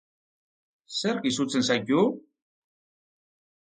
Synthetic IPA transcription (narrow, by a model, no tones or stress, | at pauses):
səɾˤkisut͡sːənsæɟːu